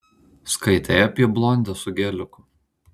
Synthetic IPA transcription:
skɐɪt̪ʲɛjɐpʲiɛblˠɔnʲd̪ʲɛsʊɡʲɛːlʲʊkʊ

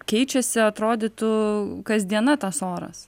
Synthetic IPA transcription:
kʲɛɪt͡ʃʲɛsʲɪɐt̪ɾoːd̪ʲɪt̪ʊkɐzʲd̪ʲiɛnɐt̪ɐsoːɾɐ̰s

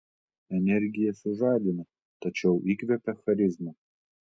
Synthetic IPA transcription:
ɛnʲɛɾʲɡʲɪjɛsʲʊʒɑːd̪ʲɪnɐ | t̪ɐt͡ʃʲɛʊʔikʋʲɛpʲɛxɐɾʲɪzmɐ

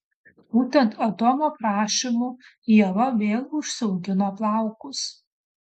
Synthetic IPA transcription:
b̥uːt̪ʲɛnt̪ʰɐt̪oːmoːpɾɑːʃʲimuː | jiɛʋɐʋʲeːlˠʊʃsʲʊɡʲɪnoːplˠɑˑʊkʊs

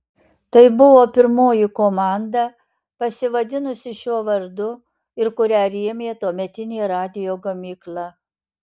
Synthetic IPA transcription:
t̪ɐɪbʊʋoːpʲɪɾmoːjɪkoːmɑˑnd̪ɑ | pɐsʲɪʋɐd̪ʲɪnʊsʲɪʃʲuɔʋɐɾd̪ʊ | ɪɾkʊɾʲæːɾʲiɛmʲeːt̪oɔmʲɛt̪ʲɪnʲeːɾɑːd̪ʲɪjoːɡɐmʲiːklˠɑ

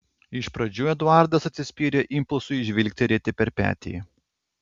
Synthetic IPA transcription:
ɪʃpɾɐd͡ʒʲuːɛd̪ʊɑˑɾd̪ɐsɐt̪ʲsʲɪsʲpʲiːɾʲeʔɪmplˠsʊɪʒʲʋʲɪlʲk̚ʲt̪ʲɪɾʲɛt̪ʲɪpʲɛɾpʲæ̰ːt̪ʲḛː

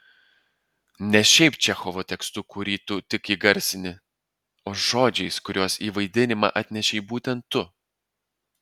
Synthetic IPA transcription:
nʲɛʃʲɛɪpt͡ʃʲɛxoʋoːt̪ʲɛkst̪ʊkʊɾʲiːt̪ʊt̪ʲɪkiːɡɐɾʲsʲɪnʲɪ | oːʒoːd͡ʒʲɛɪskʊɾʲoːsiːʋɐɪd̪ʲɪnʲɪmɑ̰ːʔɐt̪ʲnʲɛʃʲɛɪbuːt̪ʲɛnt̪ːʊ

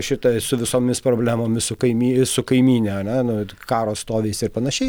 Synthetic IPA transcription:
ʃʲɪt̪ɐsʊʋʲɪsoːmʲɪspɾoːbʲlʲæːmoːmʲɪssʊkɐɪmʲiːsʊkɐɪmʲiːnʲɛɐnʲɛnʊkɑːɾoːst̪oːʋʲɛɪsɪɾpɐnɐʃʲɛɪ

